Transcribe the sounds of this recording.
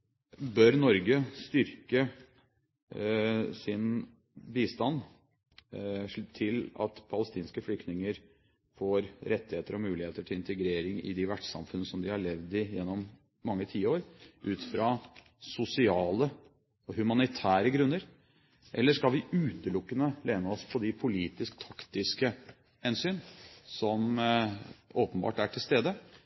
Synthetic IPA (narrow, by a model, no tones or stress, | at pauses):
bœɾnɔɾɡəst̪ʏɾkə | sɪn | biːst̪ɑn | t̪ʰɪlɑ̰t̪pʰɑləst̪iːnskəflʏkt̪ɪŋəɾ | foːɾɾɛt̪ːɪheːt̪əɾɔmʉːlɪheːt̪əʈʰɪlɪnt̪əɡɾeːɾɪŋɪ̰d̪ɪʋæʈsɑ̰mfʉnːəsɔmd̪ɪhɑɭɛʋd̪ɪjɛnːɔmː | ɑŋːət̪ʰiːəoːɾʔʉːt̪fɾɑ | sʊsɪɑːlə | ɔhʉmɑnɪt̪ʰæːɾəɡɾʉnːəɾ | ʔɛlːəʂkɑlʋɪʉːt̪əlʊkːənəleːnəɔspʰɔd̪ɪpʰʊliːt̪ɪskt̪ʰɑkt̪ɪskə | hɛnsyːnsɔm | oːpənbɑ̰ːʈæʈʰɪlst̪eːd̪ə